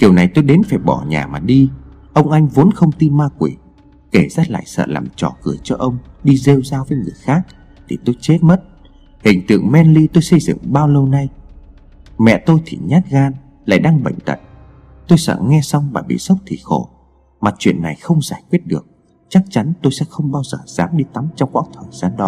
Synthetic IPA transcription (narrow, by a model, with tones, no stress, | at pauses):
ki˨˩əwna˨˩jt̪o˧jɗe˨˦nfaː˧˩jɓɔ˧˩ɲa̰ː˨˩maː˨˩ɗi˧ | ʔə˧wŋ͡mʔa˧jŋ̟vo˨˦nxə˧wŋ͡mt̪i˧maː˧kwi˨˩ | ke˧˩zaː˦˧˩la̰ː˧˨jsə̰ː˧˨la̰ː˨˩mt͡ɕɔ˨˩kɨ˧˩ət͡ɕɔ˧ʔə˧wŋ͡mɗi˧ze˧wzaː˧vəː˨˦jŋɨ˨˩əjxaː˦˥k̚ | t̪ʰi˨˩t̪o˧jt͡ɕe˦˥t̚mə˦˥t̚ | hï˨˩ŋ̟t̪ɨ̰˧əŋmɛ˧nli˧t̪o˧jsə˧jzɨ̰˧˨ŋɓaː˧wlə˧wna˧j | mɛ̰˧˨t̪o˧jt̪ʰḭ˨˩ɲaː˦˥t̚ɣaː˧n | la̰ː˧˨jɗaː˧ŋɓə̰˧˨jŋ̟t̪ə̰˧˨n | t̪o˧jsə̰ː˧˨ŋɛ˧sa˧wŋ͡mmaː˨˩ɓḭ˧˨sə˦˥wk͡p̚t̪ʰḭ˧˨˩xo˧˩ | maː˨˩t͡ɕwḭ˧˨ənːa˨˩jxə˧wŋ͡mzaː˧˩jkwi˦˥ət̚ɗɨ˨˩ək̚ | t͡ɕa˦˥k̚t͡ɕa˨˦nt̪o˧jsɛ̰˧˥xə˧wŋ͡mɓaː˧wzəː˨˩z̥aː˨˦mɗi˧t̪a˨˦mt͡ɕɔ˧wŋ͡mkwa̰ː˧˥t̪ʰəː˨˩jz̥aː˨˦nɗɔ˨˦